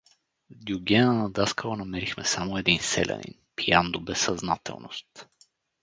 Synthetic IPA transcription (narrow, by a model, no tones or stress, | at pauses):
d̪ʲiuɡʲɛnənɐd̪askəvənɐmɛɾixmɛsamoɛd̪insɛ̰lʲʔɛ̰nḭnpiand̪obɛsːɐznat̪ɛ̰lˠno̰st̪